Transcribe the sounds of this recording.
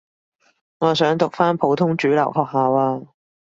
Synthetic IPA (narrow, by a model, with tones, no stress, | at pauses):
ŋɔː˨˧sœː˨˥ŋt̪ʊ˨k̚faː˥npʰo˨˧˥wt̪ʰʊ˥ŋt͡ʃyː˨˥lɐ̰˨˩whɔː˨˧k̚haː˨˧waː˧